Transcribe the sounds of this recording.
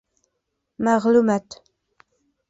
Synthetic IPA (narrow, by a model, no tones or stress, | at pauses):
mɑʁlʊmat̪